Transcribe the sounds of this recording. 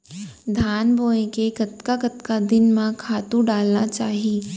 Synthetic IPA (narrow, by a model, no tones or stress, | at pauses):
d̪ʱaːnboːẽkekɐt̪kakɐt̪kad̪ɪnmãkʰaːt̪ũɖaːlnat͡ʃaːɦieː